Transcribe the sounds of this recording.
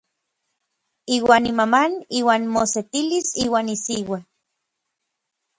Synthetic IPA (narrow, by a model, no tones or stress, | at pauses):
iːwaːnimamaniːwaːnmoset̪ilisiːwaːnisiwa